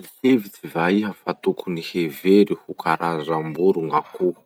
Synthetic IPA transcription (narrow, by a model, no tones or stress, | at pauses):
lihevit͡sivaiɦəfat̪ukuniheveɾihukʰaɾazambuɾuŋaku